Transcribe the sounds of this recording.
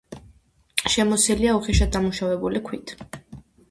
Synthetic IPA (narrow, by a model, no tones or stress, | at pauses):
ʃɛmɔsiliauχiʃad̪amuʃavɛbulikʰwit̪ʰ